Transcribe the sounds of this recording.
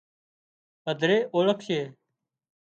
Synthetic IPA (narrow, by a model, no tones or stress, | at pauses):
əd̪ʱɾeːʔoːləkʰʃeː